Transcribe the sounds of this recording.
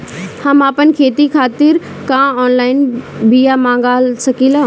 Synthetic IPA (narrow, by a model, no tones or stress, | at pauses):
hɐmaːpənkʰeːt̪ikʰaːt̪ɪɾ | kãːɔːnlaːɪnbijamãːŋɡaːlsɐkilaː